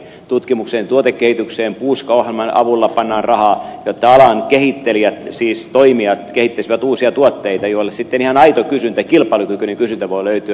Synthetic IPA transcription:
t̪ut̪kimukseːnt̪uot̪ekːehit̪ykseːmpuːskɑuhɑlmɑnɑ̰ʋulːɑpɑnːɑːnrrɑhɑːjot̪ːɑɑlɑnkehit̪ːeliæt̪siːst̪oimiɑt̪kehit̪ːesiʋæt̪uːsiɑt̪uot̪ːeit̪ɑjoilːessit̪ːenihɑnɑit̪okysynt̪ækilpˑɑlukykyneŋkysynt̪æʋoiløyt̪yæ

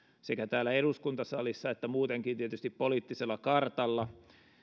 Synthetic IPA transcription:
sekæt̪æːlːæeɾuskunt̪ɑsɑlisːɑet̪ːæmuːt̪eŋkint̪iet̪yst̪ippoliˑːt̪ːiselːɑkɑrt̪ɑlːɑ

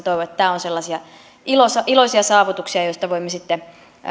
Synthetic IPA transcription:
t̪oiʋoet̪ːt̪æːonselːɑsiɑ | ilosɑilosiɑsɑːʋut̪uksiɑjoist̪ɑʋoimːesit̪ːe

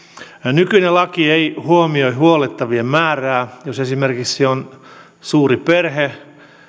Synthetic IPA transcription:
nykynelɑkieihuomioihuolet̪ːɑʋiemmæːræːjosesimerkiksion | suːriperhe

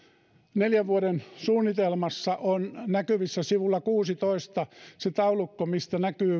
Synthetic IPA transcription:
neljæʋʋuoɾensuːnːit̪elmɑsːɑʔonnækyʋisːæsiʋulːɑkuːsit̪oist̪ɑset̪ɑulukːomist̪ænækyː

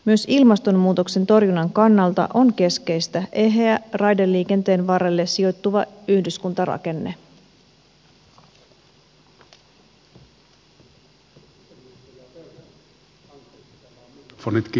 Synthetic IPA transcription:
myø̞silmɑst̪o̞mmuːt̪o̞kse̞nt̪o̞rjunːɑŋkɑnːɑlt̪ɑ̰ʔo̞ŋke̞ske̞jst̪æʔe̞ɦeærɑjdelːiːke̞nt̪e̞ːnʋɑrelːe̞sio̞t̪ːuʋɑyhdyskunt̪ɑrɑ̰ke̞nːe̞ | fonit̪k

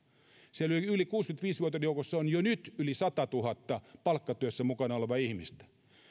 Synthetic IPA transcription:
seolyliylikuːskynt̪ʋiːsʋuot̪ːˑɑjoukosːɑonjonyt̪ylisɑt̪ɑt̪uhɑt̪ːɑpɑlkːɑt̪yøsːæmukɑnɑoleʋɑihmist̪æ̥

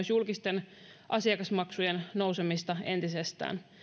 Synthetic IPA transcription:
sjulkist̪e̞n | ʔɑsiɑkɑsmɑksujennouwsemist̪ɑe̞nt̪isest̪æ̰ːn

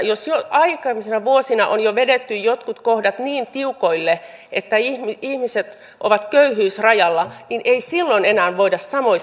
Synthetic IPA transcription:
josjoʔɑikɑmisenɑʋuosinɑʔonjoʋedet̪ːyjjot̪kut̪kohdɑt̪niːnt̪iukoilːe | ʔet̪ːæihmiihmiset̪ | ʔoʋɑt̪køyhyːsrɑjɑlːɑninʔeisilːonenæːnʋoidɑssɑmoi

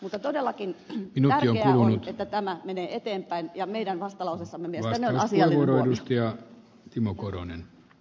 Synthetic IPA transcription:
mut̪ːɑt̪odelːɑkinminuæːioŋekːulunut̪et̪ːæt̪æmæmeneːet̪eːmpˑæinjɑmeidænʋɑst̪ɑlɑusesːɑmːemieʋɑssnɑsueʋʋuoˑɾoedust̪ɑjɑ | t̪imokoro̰nḛn

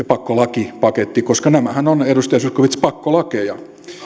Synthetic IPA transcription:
epɑkːolɑkipɑket̪ːikoskɑnæmæhænonedust̪ɑjɑsuskoʋit̪spɑkːolɑkejɑ

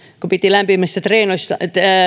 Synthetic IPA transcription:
kopit̪ilæmpimːæst̪æt̪reːnoist̪ɑt̪

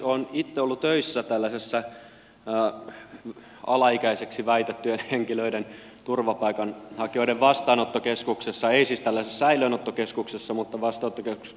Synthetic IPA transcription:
onit̪ːeolːut̪øisːæt̪ælːæsesːæ | ɑlɑikæiseksiʋæit̪et̪ːyenheŋkiløiden | t̪urʋɑpɑikɑnhɑkioiɾeʋʋɑst̪ɑːnot̪ːokeskuksesːɑeisiːst̪ælːæsesːæiløːnot̪ːokeskuksesːɑmut̪ːɑʋɑst̪ɑːˑnot̪ːokesu̥s

